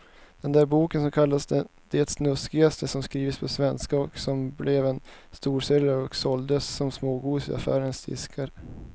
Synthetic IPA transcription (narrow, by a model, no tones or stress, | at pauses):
d̪̥ɛnd̪æːɾbuːkənsɔmkʰalːasd̪ɛ | d̪̥eːt̪snɵskɪɡast̪ʰəsɔmskɾiːvɪt̪spʰɔsvɛnskaɔksɔmblɛvɛnst̪uːʂɛlaɾɔksɔld̪əsːɔmsmoːɡuːsɪ̰a̰fæ̰ːɾənsd̪ɪ̰skʰaɾ